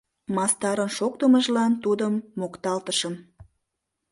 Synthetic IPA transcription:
mɑst̪ɑɾənʃok̚t̪əməʒlɑnt̪ud̪əmːokt̪ɑlt̪əʃəm

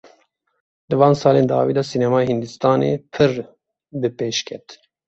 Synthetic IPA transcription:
d̪ɨvɑːnsɑːleːnd̪ɑ̰ːviːd̪ɑsiːnɛmɑːjehɨnd̪ɨst̪ɑːnḛːpʰɨr | bɨpeːʃkʲʰɛt̪

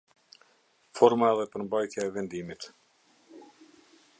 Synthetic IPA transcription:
fɔɾmaɛðɛpəɾmbajt̪jaɛvɛnd̪imit̪

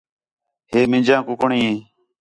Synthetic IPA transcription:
ɦeːmɪ̃d͡ʒãːkʊkəɳiːẽː

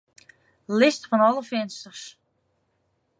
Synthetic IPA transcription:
lɪstfɔnɔlˠəfɪnstərs

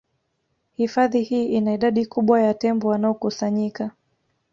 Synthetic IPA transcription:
hifaðihiːʔinaiɗaɗikuɓwajatɛmbɔwanaɔkusaɲika

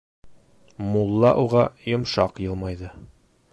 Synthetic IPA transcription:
mulˠːɑʔuʁɑjŏmʃɑqjɤ̆lˠmɑjðɤ

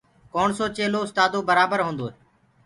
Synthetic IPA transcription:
koːɳsoːt͡ʃeːloːʊst̪aːd̪oːbəɾaːbəɾɦõːnd̪oː

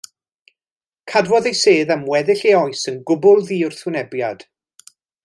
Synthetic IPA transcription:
kʰadwɔðejseːðamwɛðɪɬeɔɨsənɡʊbʊlˠðiːʊrθʊnɛbjad̥

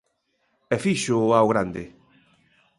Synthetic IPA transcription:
ɛfiʃʊawɣɾand̪ɪ

